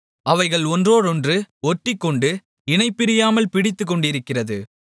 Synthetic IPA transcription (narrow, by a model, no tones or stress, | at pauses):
ɐʋɐɪɣɐɭɔndroːɽɔndrɯɔʈːɪkːɔɳɖɯ | ɪnɐɪpːɪɾɪjaːmɐlpɪɽɪt̪ːɯk̬ːɔɳɖɪɾɯkːɪrɐðɯ